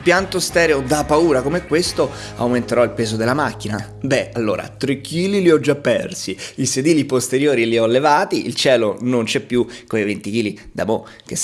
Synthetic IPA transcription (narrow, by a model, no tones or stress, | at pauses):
pjant̪ost̪ɛːɾeod̪apːauːɾakomeɛkːwest̪o | a̰wment̪eɾɔilpeːzod̪elːamakːina | bɛalːo̰ːɾa̰t̪ɾekʰːiːliliɔd͡ʒːapːɛrsiised̪iːlipost̪eɾjoːɾiliɔlːevaːt̪iʔḭlt͡ʃɛːlonont͡ʃɛpːjukoivent̪ik̟iːlid̪a̰mo | k̟es